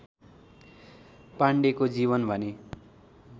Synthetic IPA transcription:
paɳɖekod͡ziβʌnbʱʌne

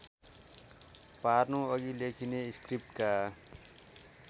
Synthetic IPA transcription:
parnoʌɡilekʰineiskrip̚ʈka

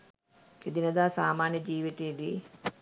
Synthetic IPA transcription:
ed̪inəd̪aːsaːmaːnjəd͡ʒiːʋit̪eed̪i

